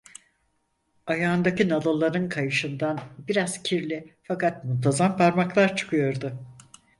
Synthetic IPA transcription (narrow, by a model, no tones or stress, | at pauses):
ajaːnd̪acinalˠalˠaɾɯnkʰajɯʃɯnd̪anbiɾaz̥cʰiɾlʲifakat̪̚munt̪ʰazampʰaɾmaklˠaɾt͡ʃʰɯ̥kʰɯjo̞ɾd̪ʊ